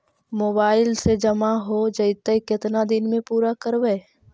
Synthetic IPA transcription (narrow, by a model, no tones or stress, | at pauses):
moːbaːɪlsed͡ʒəmaɦod͡ʒəɪt̪əkɪt̪nad̪ɪnmẽpuːɾakəɾʋɛː